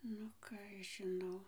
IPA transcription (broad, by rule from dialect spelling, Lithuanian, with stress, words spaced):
nʊ ˈkɑː ɐʃ ˈʒʲɪnɐʊ